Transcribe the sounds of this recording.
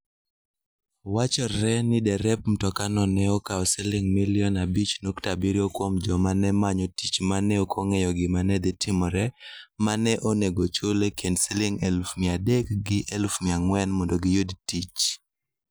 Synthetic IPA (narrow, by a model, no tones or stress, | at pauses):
wat͡ʃɔːɛnɪdɛɾɛp̚m̩tɔkanɔnɛɔkaɔsɛlɪŋmiliɔnabit͡ʃnoktabiɾjokwomd͡ʒɔmanɛmaɲɔtit͡ʃmanɛɔkʰoŋɛjɔɡɪmanɛd̪ɪtʰɪmɔɾɛmanɛʔoneɡot͡ʃolekʰendsilɪŋɛlfmɪadɛkɡɪʔɛlfmɪaŋwɛnmɔndoɡɪjodtit͡ʃ